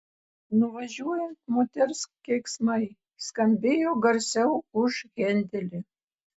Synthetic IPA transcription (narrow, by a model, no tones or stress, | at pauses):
nʊʋɐʒʲuɔjɛnt̪moːt̪ʲɛɾskʲeksmɐɪ | skɐmʲbʲeːjoːɡɐɾʲsʲɛʊʊʒɣʲɛnʲd̪ʲɛlʲɪ